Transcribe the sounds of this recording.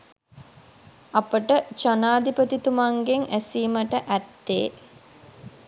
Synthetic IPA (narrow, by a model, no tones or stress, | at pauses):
apəʈət͡ʃanaːd̪ipət̪it̪umaŋɡeŋæsiːməʈəʔæt̪ːeː